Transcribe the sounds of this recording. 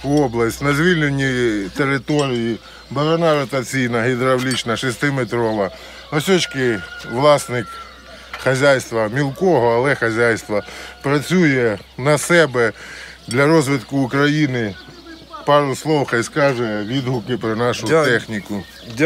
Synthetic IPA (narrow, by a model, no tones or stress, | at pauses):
ɔblˠɐsʲtʲnɐzʲʋʲilʲnenʲːit̪eɾɪt̪ɔɾʲiji | bɐɾɐnɑɾɔt̪ɐt͡sʲijnɐɦɪd̪ɾɐwlʲit͡ʃnɐʃɪst̪ɪmet̪ɾɔʋɐ | nɐsʲɔt͡ʃkɪʋlˠɑsnɪk | xɐzʲajst̪ʋɐmʲilˠkɔɦɔɐlˠɛxɐzʲajst̪ʋɐpɾɐt͡sʲujɛ | nɐsɛbɛ | d̪lʲɐɾɔzʋɪt̪kʊːkɾɐjinɪ | pɑɾʊslˠɔwxɐjskɑʒɛʋʲid̪ɦʊkɪpɾɔnɑʃʊt̪ɛxnʲikʊ